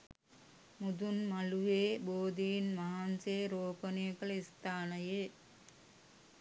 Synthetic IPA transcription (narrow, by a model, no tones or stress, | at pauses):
mud̪unmalueːboːd̪inmaɦanseːɾoːpənijəkələist̪aːnəje